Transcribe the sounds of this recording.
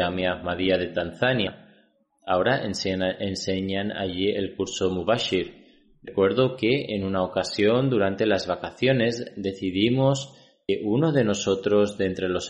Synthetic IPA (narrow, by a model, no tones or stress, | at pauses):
ameamaðiaðet̪anθanja | aoɾaʔenseɲana̰ʎielkuɾsomuβaʃiɾ | rekwe̞ɾðokeenunaokasjo̞nd̪uɾant̪e̞lazβakaθjo̞ne̞zd̪e̞θiðimos | keʔunoðe̞no̞so̞t̪ɾo̞zðe̞nt̪ɾelos